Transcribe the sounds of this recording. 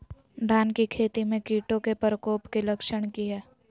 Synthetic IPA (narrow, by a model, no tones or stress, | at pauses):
d̪ʱaːnkikʰeːt̪imẽkiːʈõkepɾəkoːpkilɐkʃəɽ̃kiɦɛː